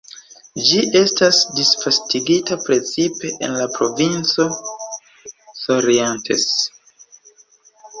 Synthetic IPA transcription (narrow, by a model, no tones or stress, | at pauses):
d͡ʒiʔe̞stasdisfastiɡitapɾe̞t͡sipe̞ʔḛnlapɾo̞vint͡so̞ | so̞ɾientʰḛs